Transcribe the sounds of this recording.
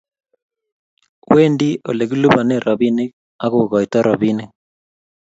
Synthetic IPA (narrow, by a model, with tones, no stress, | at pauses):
we˦ndi˦ʔo̰˨le˨ɣu˦lu˦βa˨ne˦ɾʔɔ˨βi˦ne˦k | a˦ɣo˨ɣɔ˨itɔ˦ɾɔ˨βi˦ne˦